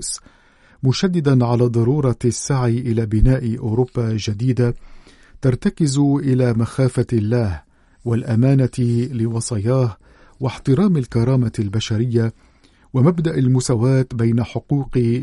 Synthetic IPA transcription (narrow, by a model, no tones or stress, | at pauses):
s | mʊʃad̪ːɪd̪anʕalaːd̪ˤɑɾuːɾˤɑsːaʕiʔɪlaːbɪnaːʔʔʊɾʊbːaʒad̪iːd̪a | t̪ɑɾˤt̪akɪzʔɪlaːmaxaːfalːaːh | walʔamaːnalɪwɑsˤɑjɑːh | waħt̪ɨɾˤɑːmalkɑɾˤɑːmalbaʃaɾɪjːa | wamabd̪aʔalmʊsaːwaːt̪bajnaħʊquːq